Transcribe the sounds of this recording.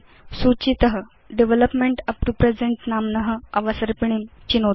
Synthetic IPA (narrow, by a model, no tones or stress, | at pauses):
sut͡ɕit̪əɦə | ɖeʋeləpmeɳʈɐpɾupɾed͡zeɳʈnamnəɦəɐʋəsəɾpiɳ̃imt͡ɕino